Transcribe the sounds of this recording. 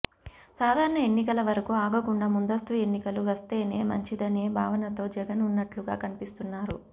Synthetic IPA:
saːd̪ʱaːɾɐɳɐe̞nːikɐlɐʋɐɾɐkuaːɡɐkuɳɖaːmund̪ɐst̪ue̞nːikɐluʋɐst̪e̞ːne̞ːmɐ̰ɲt͡ʃid̪ɐne̞ːbʱaːʋɐnɐt̪o̞ːd͡ʒɛɡɐnunːɐʈluɡa̰ːkɐnipist̪unːaːɾu

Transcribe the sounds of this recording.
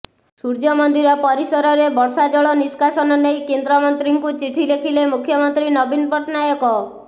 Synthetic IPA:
suɾd͡ʒɔmɔnd̪iɾɔpɔɾisɔɾɔɾebɔɾsad͡ʒɔɭɔniskasɔnɔnejkend̪ɾɔmɔnt̪ɾiŋkut͡ʃiʈʰilekʰilemukʰːjɔmɔnt̪ɾinɔbinpɔʈnajɔkɔ

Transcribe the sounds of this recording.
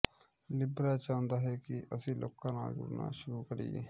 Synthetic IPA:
lɪbɾaːt͡ʃãːnd̪aːɦɛːkɪʔəsĩːlo̰ːkːãːna̰ːɡʊ̰ɾna̰ːʃʊɾuːkəɾḭːḛː

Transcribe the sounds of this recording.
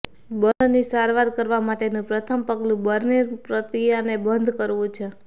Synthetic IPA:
bənd̪nisaɾʋaɾkəɾʋamaʈenũpɾət̪ʰəmpəɡlũbəɾniɾpɾət̪ijanebənd̪ʱkəɾʋũt͡ʃʰe

